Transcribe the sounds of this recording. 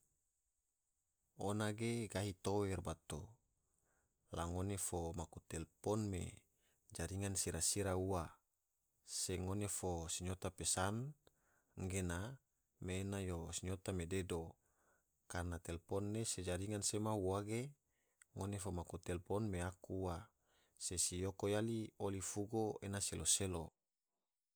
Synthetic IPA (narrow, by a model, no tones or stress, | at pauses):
onaɡeɡaɦit̪owɛrbat̪o | laŋonefomakut̪ɛlpɔnmḛ | d͡ʒaɾiŋansiɾasiɾaua | seŋonefosiɲot̪apesan | ŋɡena | meːnajosiɲot̪amededo | karnat̪ɛlpɔnːesed͡ʒaɾiŋansemauwaɡe | ŋonefomakut̪ɛlpɔnmeakuːa | sesijokojaliolifuɡoenaseloselo